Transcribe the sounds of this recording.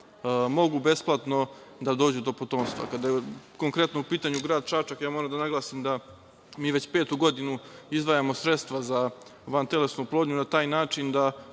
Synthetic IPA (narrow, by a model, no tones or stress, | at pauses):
mo̞ɡube̞splˠat̪no̞d̪ad̪oːd͡ʑud̪o̞pot̪o̞ːmst̪vʋa̰kad̪ajeko̞ŋkɾe̞t̪noupiːt̪aɲuɡɾaːd̪t͡ʃat͡ʃakjaːmo̞ɾamd̪anaɡlˠasimd̪a | miːʋe̞t͡ɕpe̞ːt̪uɡo̞d̪inuizʋajamo̞sɾe̞t̪st̪ʋazaʋant̪ele̞snuplˠod̪ɲunat̪aːjnaːt͡ʂind̪a